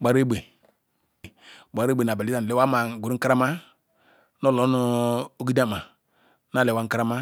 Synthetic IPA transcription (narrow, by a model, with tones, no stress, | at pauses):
ɡ͡ba˨˦ɾe˦be˨ | ba˨˦ɾe˦be˨na˨ba˨i˦a˦˨lɛ˦wa˦ma˨ɡu˨ɾi˦kɾa˦ma˦ | nɔ˦lɔ˨˦nu˨o˦ɡi˦da˦ma˨ | na˦˨le˨wa˦ŋ̩˦kɾa˦ma˦